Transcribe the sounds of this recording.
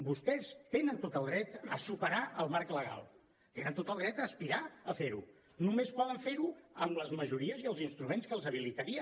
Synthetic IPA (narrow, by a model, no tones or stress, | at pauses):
bust̪ɛst̪enənt̪ot̪əlˠɣɾɛt̪əsupəɾaʔəlˠmaɾkləɣ̞a̰lˠ | t̪enənt̪ot̪əlˠðɾɛt̪əspiɾaəfeɾṵ | numespɔðəɱfeɾuəmləzməʒuɾiəziəlˠzinst̪ɾumenskəlˠzəβ̞ilit̪əɾiə